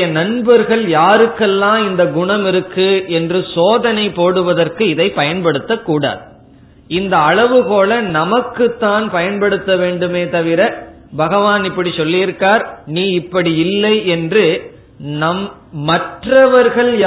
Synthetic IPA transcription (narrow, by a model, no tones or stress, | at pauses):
jɐnɐɳbɐɾɣɐɭjaːɾɯkːɛlːãːɪnd̪ɐɡʊɳɐmɪɾɯkːɯɛndrɯsoːðɐnɐɪpoːɽɯʋɐðɐrkɯɪðɐɪpːɐjɐnpɐɽɯt̪ːɐkːuːɽa̰ːðɯ | ɪnd̪ɐːɭɐʋɯpoːɭɐnɐmɐkːɯt̪ːaːnpɐjɐnpɐɽɯt̪ːɐʋeːɳɖɯmeːt̪ɐʋɪɾɐ | bɐɣɐʋaːnɪpːɐɽisɔlːɪɪɾɯkːaːɾniːɪpːɐɽiɪlːɐɪɛndrɯ | nɐmː | ɐʈrɐʋɐɾɣɐɭj